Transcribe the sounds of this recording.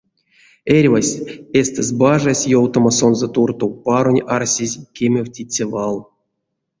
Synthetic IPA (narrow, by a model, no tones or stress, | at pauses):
erʲvasʲesʲt̪ezʲbaʐasʲjowt̪omaso̞nzot̪urt̪owpaɾonʲarsʲizʲkʲemʲewʲtʲit͡sʲːavalˠ